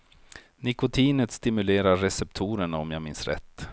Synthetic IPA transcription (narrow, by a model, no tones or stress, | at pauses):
nɪkʊt̪ʰiːnət̪st̪ɪmɵleːɾaɾːɛsɛpt̪ʰuːɾəɳaɔmjaːmɪnsɾɛ̰t̪ː